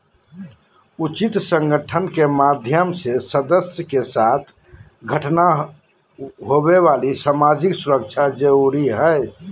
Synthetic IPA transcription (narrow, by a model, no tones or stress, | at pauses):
ut͡ʃit̪sə̃ŋɡʱəʈʰənkemad̪ʱjəmsesəd̪əsjəkesat̪ʰ | ɡʱəʈna | ɦobeβalisamad͡ʒiksuɾək̚t͡ʃʰad͡ʒəɾuɾiɦəɪ